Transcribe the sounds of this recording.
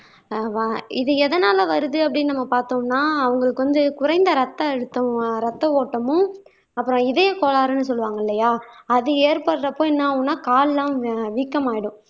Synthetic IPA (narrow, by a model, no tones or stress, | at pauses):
ʋaɪðɯɛðɐnaːlɐʋɐɾɯðɯɐpːɐɽɪnnɐmːɐpaːɾt̪õːnːaːɐʋɐŋɡɐɭɯkːɯʋɐnd̪ɯkʊɾɐɪnd̪ɐɾɐt̪ːɐɛɽɯt̪ːɐɾɐt̪ːɐoːʈːɐmʊ̃ | ɐpːɯɾɔ̃ɪðeːkoːlaːɾɯnːɯsɔlːɯʋaːŋɡɐɪlːɐjaːɐðɯeːɾpɐɽɯɾɐpoːjnːãːɐʊnːaːkaːllãːʋiːkːɐmaːjɪɽʊ̃